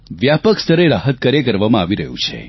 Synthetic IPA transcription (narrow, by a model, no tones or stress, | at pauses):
ʋjapəkst̪əɾeɾaɦət̪̚kəɾjekəɾʋamãaʋiɾəɦṵ̃t͡ʃʰḛ